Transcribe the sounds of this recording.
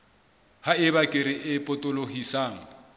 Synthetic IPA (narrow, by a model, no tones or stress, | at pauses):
haɪβakʼɪɾɪʔɪpʼʊtʼʊlohisaːŋ̩